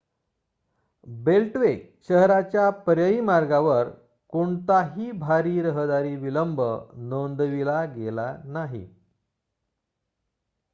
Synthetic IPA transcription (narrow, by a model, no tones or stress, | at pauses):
belʈʋek | ɕəɦɾat͡ɕjapəɾjəiːmaɾɡaʋəɾ | koɳt̪aɦiːbʱaɾiːɾəɦd̪aɾiːʋiləmbʱə̰nond̪ʋilaɡelanaɦḭ